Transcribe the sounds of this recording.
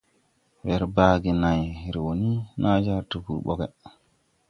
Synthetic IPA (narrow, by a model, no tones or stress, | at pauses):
bɛɾbaːɡinajɾɛwoninʔad͡ʒaɾtubṵɾɓɔ̰ɡɛ